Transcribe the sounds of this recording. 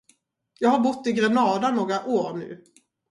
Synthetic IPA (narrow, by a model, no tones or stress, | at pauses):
jɑːɡhaɾbʊt̪ːɪɡɾɛnɑːd̪anoːɡɾaʔoːɾnʉ̟̰ː